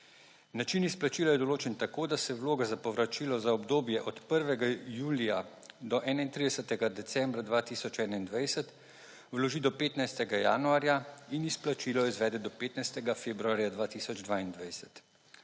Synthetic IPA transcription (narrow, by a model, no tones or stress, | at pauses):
nat͡ʃinisplat͡ʃiːlajɛd̪ɔloːt͡ʃɛnt̪akoːd̪asɛwloːɡazapɔʋɾat͡ʃiːlɔzaɔbd̪oːbjɛʔɔt̪pəɾʋɛɡajuːlija | d̪ɔʔɛːnaint̪ɾid̪ɛsət̪ɛɡad̪ɛt̪sɛmbɾad̪ʋaːt̪iːsɔt͡ʃɛːnaind̪ʋajsɛt̪ | wlɔʒiːd̪ɔpeːt̪najst̪ɛɡaja̰ːnuaːɾjainisplat͡ʃiːlɔizʋɛːd̪ɛd̪ɔpeːt̪najst̪ɛɡafeːbɾuaːɾjad̪ʋaːt̪iːsɔd͡ʒd̪ʋaːind̪ʋajsɛt̪